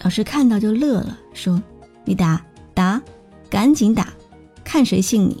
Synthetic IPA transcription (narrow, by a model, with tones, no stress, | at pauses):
jɑ˥˩ʊʂɻ̩˥˧kʰa˥˧nt̪ɑ˥˧ʊt͡ɕjo˥˧ʊlɤ˥˩lə̰˩ʂwɔ˥ni˨˩˦t̪a˧˩˥t̪a˧˥ | ka˧˥nt͡ɕi˧˥ŋt̪a̰˨˩˦ | kʰa˥˩nʂwe˧˥ɪɕi˥˩ŋnḭ˨˩˦